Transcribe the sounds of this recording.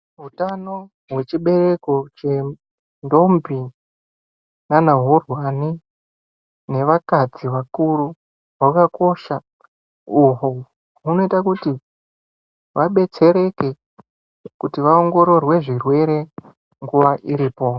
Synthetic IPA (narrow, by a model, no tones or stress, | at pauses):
ɦutano̞ | ɦwe̞t͡ʃiɓe̞re̞ko̞t͡ʃe̞ | ndo̞mbi | nanaɦorwani | ne̞ʋakad͡ziʋakuɾu | ɦwakako̞ʃa | uɦo | ɦuno̞itakuti | ʋaɓe̞t͡se̞ɾe̞ke̞ | kutiʋaoŋɡo̞ɾo̞rwe̞ʐirwe̞ɾe̞ | ŋɡuʋaʔiɾiːpo̞